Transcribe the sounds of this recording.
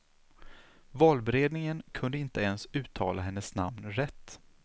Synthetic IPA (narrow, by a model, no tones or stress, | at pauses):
vɑːlbɛɾeːd̪nɪŋənkʰɵnd̪əɪnt̪əɛnsʉ̟ːt̪ʰɑ̰ːlʔaɦɛnːəsna̰mnɾɛt̪ː